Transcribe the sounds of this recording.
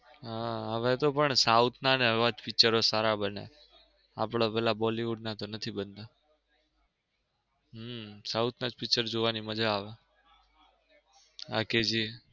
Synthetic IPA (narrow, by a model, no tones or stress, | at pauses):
ɦaəʋet̪opəɳsaut̪ʰnaneəʋad͡ʒfɪkt͡ʃəɾosaɾabənḛ | a̰pɽ̃apɛɦlabɔliʋuɖnat̪onət̪ʰibənt̪a | ɦsaut̪ʰnad͡ʒpɪk̚t͡ʃəɾd͡ʒoʋaniməd͡ʒaːʋe | a̰ked͡ʒi